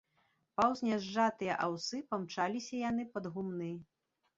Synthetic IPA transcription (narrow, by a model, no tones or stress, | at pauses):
pawzʲnʲɛʐːat̪ɨjɐʔawsɨpɐmt͡ʂalʲisʲɐjan̪ɨpɐd̪ɣumnɨ